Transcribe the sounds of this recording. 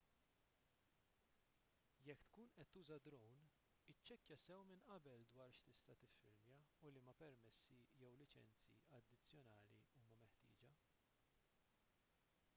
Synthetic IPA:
jɛkːt̪kuːnʔɛt̪ːuːzɐd̪ɾɔwn | ɪt͡ʃːɛkjɐsɛwmɪnʔɐbɛld̪wɐːɾʃt̪ɪst̪ɐt̪ɪfːɪɾmjɐulimɐpɛɾmɛsːijɛwlɪt͡ʃɛ̰nt͡sḭɐd̪ːɪt͡sːjɔnɐːlḭuːmɐmɛħt̪ɪ̰ːd͡ʒɐ

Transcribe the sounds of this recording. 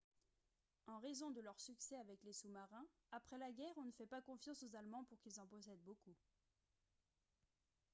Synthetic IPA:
ɑ̃ʁezɔ̃d̪əlœʁsyksɛavɛklesumaʁɛ̃ | apχɛlaɡʲɛʁɔ̃nəfɛpakɔ̃fjɑ̃sozalmɑ̃puʁkilzɑ̃pɔsɛd̪boku

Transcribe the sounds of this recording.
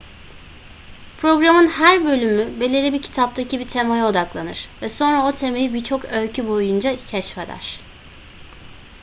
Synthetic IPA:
pʰɾo̞ɡɾamɯnhæɾbø̞lʲymybe̞lʲelʲibicʰi̥t̪ʰap̚t̪ʰacibit̪ʰe̞majao̞d̪aklˠanɯɾ̥vɛso̞nɾao̞t̪ʰe̞me̞jibiɾt͡ʃʰo̞kølcʰybo̞jund͡ʒacʰɛʃfed̪æ̰ɾ̥

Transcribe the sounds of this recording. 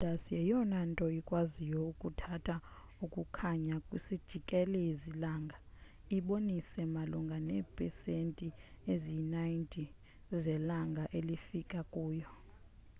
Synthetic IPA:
lasijɛjɔnantʼɔikʼwazijɔukʼutʰatʰa | ukʼukʰaɲakʼwisid̥ʒ̥ʱikʼɛlɛizilaːŋɡʱa | iɓonisɛmaluŋɡʱanɛːpʰʼɛsentʼiezinajintʼi | zɛlaŋɡʱaʔelifikʼakʼuːjɔ

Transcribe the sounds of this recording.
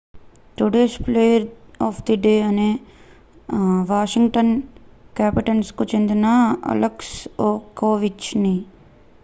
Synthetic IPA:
ʈoɖeːʃpleːjəɾɔːfʰd̪iɖeːɐne | ʋaːʃɪ̃ŋɡʈənkɛːpɪʈənskot͡ʃɪ̃nd̪naːɐ̰ləksoːkoːʋɪt͡ʃniː

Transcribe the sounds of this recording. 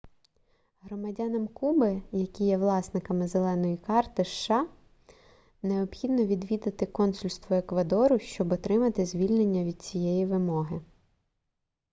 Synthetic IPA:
ɦɾɔmɐdʲɑnɐmkubɪjɐkʲijɛʋlˠɑsnɪkɐmɪzelˠɛnɔjikɑrt̪ɪʃːɑ | neɔbxʲid̪nɔʋʲid̪ʋʲid̪ɐt̪ɪkɔnsʊlʲst̪ʋɔekʋɐd̪ɔɾʊʃt͡ʃɔbɔt̪ɾɪmɐt̪ɪzʲʋʲilʲnenʲːɐʋʲid̪̥̚t͡sʲijɛjiʋɪmɔɦɪ

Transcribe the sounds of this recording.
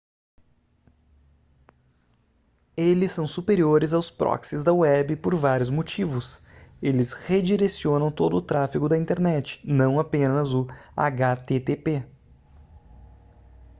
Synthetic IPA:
elɪsːɐ̃w̃supeɾioɾɪzawspɾɔ̰ksɪzd̪ɐwɛbɪpoɾvaɾjʊzmot͡ʃivʊselɪshed͡ʒiɾesiõnɐ̃w̃t̪od̪ʊːt̪ɾafikʊd̪ɐĩnt̪eɾnɛt͡ʃɪ̥nɐ̃w̃apẽnɐzʊa̰ɡat̪et̪epe

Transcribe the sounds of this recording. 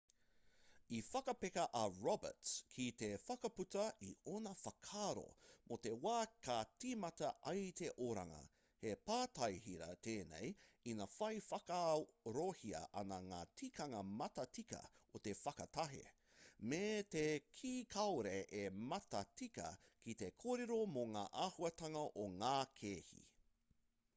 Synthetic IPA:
ifɐkɐpekɐʔɐɹɔbə̰tkʰit̪efɐkɐpʉtɐḭonɐfɐkʰaːɾo̰mʔot̪e̞waːkatimɐtɐʔɐjt̪eʔoɾa̰ŋɐ̰ | hepaːtɐjɦiɾɐ̰t̪ʰeːnḛjinɐfɐjfɐkɐɾohiɐ̰ʔɐnɐŋaːtʰikʰɐŋɐmɐtɐtikɐ̰ot̪efɐkɐt̪ɐɦḛ | met̪ekʰiːkʰɐwɾeʔemɐtɐtikɐ̰kit̪ekʰoːɾeɾomoŋa̰ːʔaːhuɐt̪ɐŋɐʔoŋaːkʰeːhḭ

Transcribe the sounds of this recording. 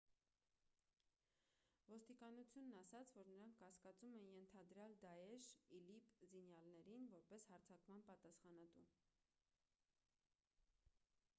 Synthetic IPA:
vɔst̪ikɑnut͡sʰjunːɑsɑt͡sʰvɔɾnəɾɑŋkʰːɑskɑt͡sumɛnjɛnt̪ʰɑd̪ɾjɑld̪ɑjɛʃilipzinjɑlnɛɾinvɔɾpɛshɑɾt͡sʰɑkmɑnpɑt̪ɑsχɑnɑt̪u

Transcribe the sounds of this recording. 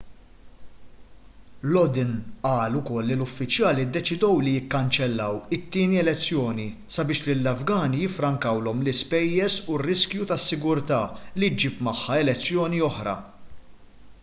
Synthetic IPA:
lɔd̪ɪnʔɐːlʊkɔlːilʊfːɪt͡ʃjɐːlid̪ːɛt͡ʃɪd̪ɔwlijɪkːɐnt͡ʃɛlːɐwɪt̪ːiːniɛlɛt͡sːjɔːni | sɐbɪːʃlɪlːɐvɡɐːnijɪfːɾɐŋkɐwlɔmlɪspɛjːɛɾsurːɪskjut̪ɐsːɪɡʊɾt̪ɐːlid͡ʒiːpmɐħːɐɛlɛt͡sːjɔːniɔħɾɐ̰

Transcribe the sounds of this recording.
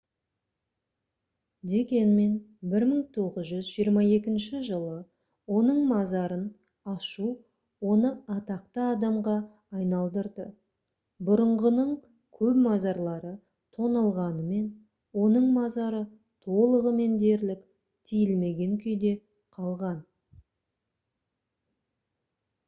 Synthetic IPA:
d̪e̞kʲe̞nme̞nbɪɾməŋt̪ʰo̞ʁəzʒʏzʒijəɾmɑe̞kʲɪnʃɪʒəlˠə | wo̞nəɴmɑzɑɾən | ɑʃu | wo̞nəɑt̪ɑqt̪əɑd̪ɑmʁɑː | jnɑlˠd̪əɾd̪ə | bʊɾəɴʁənəɴ | kʲʰɵpmɑzɑɾlˠɑɾə | t̪ʰo̞nɑlˠʁɑnəme̞n | wo̞nəɴmɑzɑɾə | t̪ʰo̞lˠəʁəme̞nd̪e̞ɾlɪkʲ | t̪ʰijɪlme̞ɡʲe̞ŋkʲʰʏjd̪e̞ | qʰɑlˠʁɑn

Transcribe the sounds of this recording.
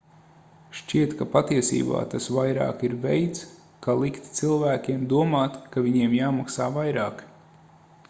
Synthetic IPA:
ʃt͡ʃiɛt̪kapat̪iɛsḭːba̰ːt̪asvajɾa̰ːkiɾvɛjt̪s | kalˠikt̪t̪silˠvæːkʲiɛmd̪uɔmaːt̪kavʲiɲiɛmjaːmaksaːvajɾaːk

